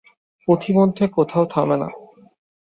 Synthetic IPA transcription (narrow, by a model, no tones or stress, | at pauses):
pot̪ʰimod̪ʱːekot̪ʰaot̪ʰabena̰